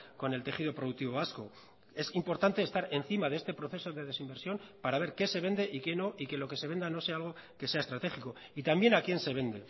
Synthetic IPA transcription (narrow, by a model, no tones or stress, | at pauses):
ko̞ne̞lt̪e̞xiðo̞pɾoðuk̚t̪iβo̞βasko̞̰ | e̞simpo̞ɾt̪ant̪eːst̪aɾen̟θimaðeest̪e̞pɾo̞θe̞so̞ðe̞ðe̞simbe̞ɾsjo̞npaɾaβ̞e̞ɾke̞se̞β̞e̞nd̪e̞ʔike̞no̞ʔike̞lo̞ke̞se̞β̞e̞nd̪ano̞se̞aalɣo̞ke̞se̞aest̪ɾat̪e̞xiko̞ | it̪ambje̞nakje̞nse̞βe̞nd̪e̞